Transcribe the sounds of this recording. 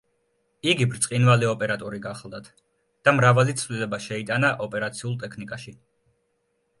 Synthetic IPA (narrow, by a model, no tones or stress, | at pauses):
iɡibɾt̪sʼqʼinvaliɔpʼɛɾat̪ʼɔɾiɡaχlˠd̪at̪ʰ | d̪̥amɾavalit̪sʰvlilɛbaʃɛit̪ʼanaʔɔpʼɛɾat̪sʰiulˠt̪ʼɛkʰnikʼaʃi